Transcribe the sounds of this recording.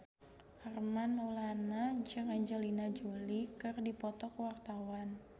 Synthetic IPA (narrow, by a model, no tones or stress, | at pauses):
ʔarmanulanad͡ʒɨŋaɲd͡ʒɛlinad͡ʒulikɨrdipɔt̪ɔkwart̪awan